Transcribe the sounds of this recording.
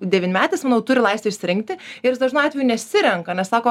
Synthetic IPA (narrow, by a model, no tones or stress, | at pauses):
d̪ʲɛʋʲɪnʲmʲæːt̪ɐɪsmɑnɐʊt̪ʊɾʲɪlˠɐɪsʲt̪ʲʋʲeɪʃʲsʲɪɾʲɪŋkt̪ʲɪɪɾd̪ɐʒʲnɐɑːt̪ʲʋʲɛjunʲɛsʲɪɾʲɛŋkɐnʲɛssɑːkoː